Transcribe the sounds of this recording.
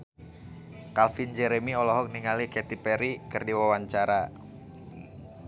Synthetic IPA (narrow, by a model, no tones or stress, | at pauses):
kalfind͡ʒɛɾɛmiɔlɔɦɔk̚niŋalikɛt̪ipɛɾikɨrdiwawaɲt͡ʃaɾa